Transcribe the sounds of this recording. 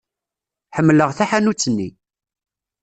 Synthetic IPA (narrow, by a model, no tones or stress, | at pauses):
ħəmːləʁθaħanut͡sːənːḭ